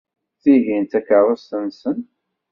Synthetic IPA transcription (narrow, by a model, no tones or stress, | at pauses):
θiʝint̪ækːəɾˤəstənsən